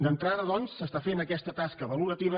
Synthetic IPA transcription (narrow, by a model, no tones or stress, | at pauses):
d̪ənt̪ɾaðəðɔnsːəst̪afenəkɛst̪ət̪askəβəluɾət̪iβə